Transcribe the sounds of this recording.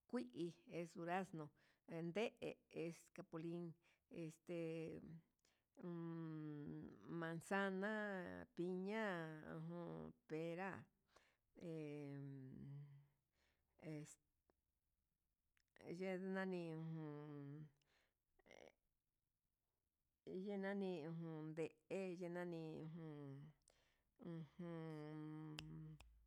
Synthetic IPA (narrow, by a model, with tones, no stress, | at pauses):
kʷi˦ʔi˧e˧su˧ɾa˦snõ˧ | e˧nd̪e˦ʔe˧e˧ska˧po˧li˦ŋ | e˧st̪e˧ | mã˧nsa˦nã˦pi˧ɲã˦ṵ̃˧ɦõ˧pe˧ɾa˦ | e˧ | e˧˨s | ʒe˦nã˦nĩ˧ũ˧hũ˧ | je˦nã˦nĩ˧ũ˧ɦũ˧nd̪e˨ʔe˦je˦nã˦nĩ˧ũ˧ɦũ˧ | ũ˧hũ˧